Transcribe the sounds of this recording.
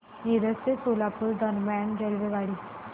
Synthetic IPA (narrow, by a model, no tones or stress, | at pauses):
niɾəsesolapuld̪ənband͡ʑəlʋeʋaɽiː